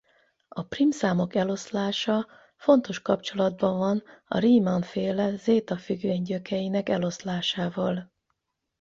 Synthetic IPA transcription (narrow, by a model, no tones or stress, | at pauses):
ɒprimsaːmo̞kɛlo̞slaːʃɒ | fo̞nt̪o̞ʃkɒpt͡ʃo̞lɒd̪bɒɱvɒnɒ̰ɾiːmɒnfeːlɛzeːt̪ɒfyɡveːɲɟøkɛjinɛkɛlo̞slaːʃaːvɒl